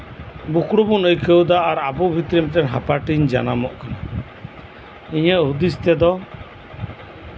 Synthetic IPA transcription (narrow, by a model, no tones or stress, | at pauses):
bukɽubunəjkʰəwd̪aʔːɾabubʱit̪ɾimʈɛnɦapaʈiɲd͡ʒa̰namɔʔkana | iɲəʔɦud̪ist̪ɛd̪ɔ